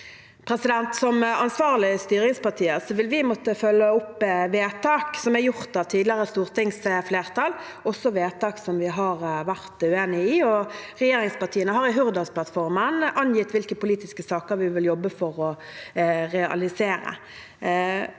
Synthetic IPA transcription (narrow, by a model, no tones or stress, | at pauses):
pʰɾɛsɪd̪ɛnt̪sɔmɑnsʋɑːʁlɪst̪yːɾɪŋspɑʁt̪ʰiːəsɔʋɪlʋɪmɔt̪ːəfœlːəʊpːʋeːt̪ʰɑːksɔmæjʊʁt̪ɑʋt̪ʰiːd̪lɪəʁəst̪uːʁt̪ɪŋsəfleːʁt̪ɑl | ʔɔsːɔʋeːt̪ʰɑːksɔmʋɪɦɑʁʋæʁt̪ʉeːnɪɪɔʁɛjeːɾɪŋspɑt̪ʰiːənəɦɑɾɪɦʉʁd̪ɑspʰlɑt̪fɔɾmənʔɑnjɪt̪ʋɪlkəpʊliːt̪ɪskəsɑːkəɾʋɪʋɪljɔbːəfɔʁɔ | ɾɛɑ̰lɪseːɾə̰